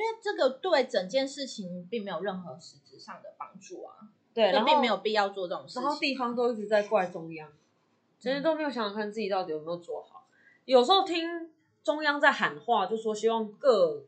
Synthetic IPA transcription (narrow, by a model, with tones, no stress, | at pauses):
we˥˩ʈ͡ʂɤ˥˩ɡə˨t̪we˥˩ɪʈ͡ʂə˨˩ŋt͡ɕjɛ˥˧nʂɻ̩˥˩t͡ɕʰi˧˦ŋpi˥˩ŋme˧˥ɪjo˨˩ʊɻə˥˩nxɤ˧˥ʂɻ̩˧˥ʈ͡ʂɻ̩˨˩ʂɑ˥˩ŋd̪ə˩pɑ˥ŋʈ͡ʂu˥˩a̰˩ | t̪we˥˩ɪ˥˧˦pi˥˩˧me˧˥ɪjo˨˩pi˥˧˥jɑ˥˧ʊt͡swɔ˥˧ʈ͡ʂɤ˥˩ʈ͡ʂŋʂa˧˥nxo˥˧ʊt̪i˥˨fɑ˥ŋt̪̬o˥ʊi˥˩ʈ͡ʂɻ̩˧˩t͡sa˥˧ɪkwa˥˧˩ɪʈ͡ʂʊ˥ŋjɑ˦˥ŋ | ʈ͡ʂə˧˥n˥t̪o˥me˧˥jɕɑ˨ŋ˨˩kʰa˥˩n˩t͡sɹ̩˥˩t͡ɕi˨˩t̪ɑ˥˩ʊi˨jo˨˩me˥jo˨˩ʊt͡swɔ˥˩xɑ˨˦ʊ | jo˨˩ʂ̩˧˥xo˥˩t̪ʰi˥ŋ | ʈ͡ʂʊ˥ŋjɑ˥ŋt͡sa˥˩ɪxa˨˩nxwa˥˧˨t͡ɕjo˥˧ʊʂ̩˥˩ʂwɔ˥ɕi˥wɑ˥˧ŋkɤ˥˧